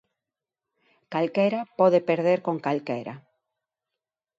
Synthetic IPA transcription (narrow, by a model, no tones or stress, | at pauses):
kalkɛɾapɔðepeɾðeɾkoŋkalkeɾa̰